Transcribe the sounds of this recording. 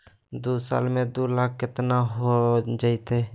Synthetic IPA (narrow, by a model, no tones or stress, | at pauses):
d̪uːsa̰ːlmẽd̪ulaːkkɪt̪naɦod͡ʒaɪt̪e